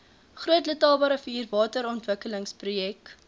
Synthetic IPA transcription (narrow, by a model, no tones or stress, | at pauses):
χruətlətɑːlˠbɑːɾəfiːrvɑːtəɾɔntvəkələŋsprujɛk